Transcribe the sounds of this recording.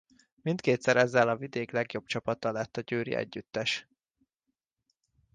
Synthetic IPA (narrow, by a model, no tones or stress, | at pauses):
mint̪keːt̪sɛɾɛzːɛlɒvid̪eːklɛɡjo̞bt͡ʃɒpɒt̪ɒlɛt̪ːɒɟøːɾḭɛ̰ɟːyt̪ːɛʃ